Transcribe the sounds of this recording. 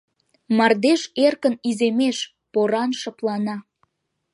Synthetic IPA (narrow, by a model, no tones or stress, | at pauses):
mɑrd̪eʃerkənizemeʃ | poɾɑnʃɤplɑnɑ